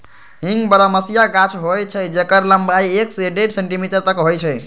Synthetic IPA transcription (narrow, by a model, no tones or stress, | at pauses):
ɦĩŋɡbəɾəməsijaɡat͡ʃʰɦojt͡ʃʰəd͡ʒekəɾləmbaiekseɖeʈseɳʈimiʈəɾt̪əkɦojt͡ʃʰɛj